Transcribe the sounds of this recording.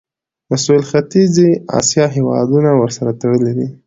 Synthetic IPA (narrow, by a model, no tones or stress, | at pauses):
masuɪlxat̪iziɑ̰sijɑɦewɑ̰d̪unawəɾsaɾat̪əɽəlid̪i